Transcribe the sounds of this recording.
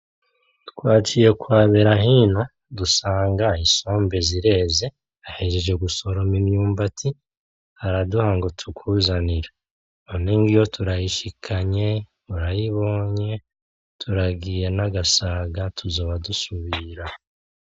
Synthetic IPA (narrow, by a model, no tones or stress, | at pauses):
tu̥kwaːt͡ʃije̞kwaːβe̞ɾaɦina | dusaːŋɡaiso̞ːmbe̞ziɾe̞ːze̞ | aheʒeʒe̞ɡuso̞ɾo̞minjuːmbatʰi | haɾaduhaŋɡotʰukʰuzaniɾa | oniŋɡijo̞tʰuɾajiʃikʰaɲe̞ | uɾajiβo̞ːɲe̞ | tʰuɾaɡiːje̞naɡasaɡatʰuzo̞ːβadusuβiɾa